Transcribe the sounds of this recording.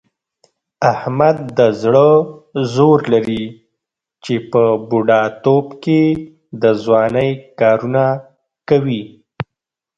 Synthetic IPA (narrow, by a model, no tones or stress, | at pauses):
ahmad̪̚ːəzɽəzoɾlaɾi | t͡ʃepəbuɖɑt̪obke | d̪əzwɑnəjkɑɾuna | kawi